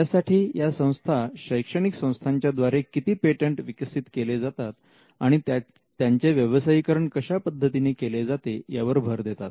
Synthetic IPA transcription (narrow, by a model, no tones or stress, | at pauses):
jasaʈʰiːjasə̃w̃st̪ʰaɕəjkʂəɽ̃iksə̃w̃st̪ʰaɲt͡ɕjad̪ʋaɾekit̪iːpeʈeɳʈʋikəsit̪keled͡zat̪at̪ | aɽ̃i | t̪jaɲt͡ɕeʋjəʋəsaikəɾəɳkəɕapəd̪ʱːət̪inekeled͡zat̪ejaʋəɾbʱəɾd̪et̪at̪